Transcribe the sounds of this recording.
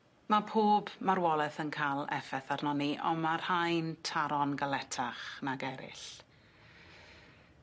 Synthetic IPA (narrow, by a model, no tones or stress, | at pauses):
mapʰoːbmaɾwɔlˠɛθənkʰalˠɛ̰fɛθarnɔniʔɔ̰marhajntʰaɾɔnɡalɛtʰaχnaɡɛɾɪ̰ɬ